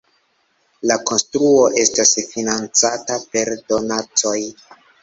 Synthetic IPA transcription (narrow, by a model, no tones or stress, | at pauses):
lako̞nstɾuo̞ʔe̞stasfinant͡satape̞ɾdo̞nat͡so̞j